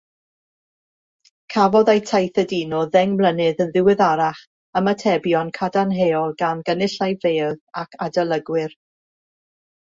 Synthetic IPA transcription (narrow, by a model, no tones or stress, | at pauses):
kʰavɔðajtʰajθədiːnɔðɛŋmlˠənɨðənðɪwɪðaɾaχ | əmətʰɛbjɔnkʰadanɦeɔlˠɡanɡənɪɬajv̥eːðakʰadalˠəɡwɪr